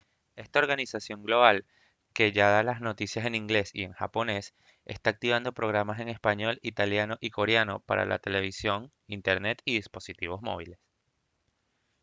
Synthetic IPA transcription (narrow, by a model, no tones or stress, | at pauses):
e̞st̪ao̞ɾɣanisasjo̞ŋɡlo̞βal | ke̞ʝaðalazno̞t̪isjase̞nĩŋɡle̞sḭe̞ŋxa̰po̞ne̞s | e̞̰st̪aːk̚t̪iβ̞and̪o̞pɾo̞ɣ̞ɾamase̞ŋe̞spaɲo̞lit̪aljano̞ʔiko̞ɾjano̞pa̰ɾa̰la̰t̪e̞le̞β̞isjo̞ŋ | int̪eɾne̞t̪iðispo̞sit̪iβo̞zmo̞̰βile̞s